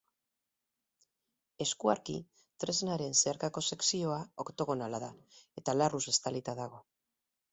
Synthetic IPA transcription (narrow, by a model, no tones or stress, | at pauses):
e̞skuaɾkḭ | t̪ɾe̞znaɾe̞nse̞aɾkako̞se̞ksio̞aokt̪o̞ɣ̞o̞nalaðae̞t̪alaruse̞st̪alit̪aðaɣ̞o̞